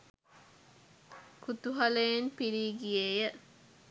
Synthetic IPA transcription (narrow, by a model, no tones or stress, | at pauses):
kut̪uɦɐlejenpiɾiːɡiejə